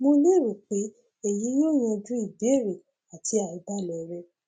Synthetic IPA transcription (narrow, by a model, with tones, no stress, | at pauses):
mo˧le˦˨ɾo˨k͡pe˨˦ | e˦˨ji˨˦jɔ̃˦˨j̃ã˧d͡ʒũ˦i˦˨be˨˦˨ɾe˨ | a˨tʰi˧˦a˦˨i˧ba˦˨lɛ˨ɾɛ˧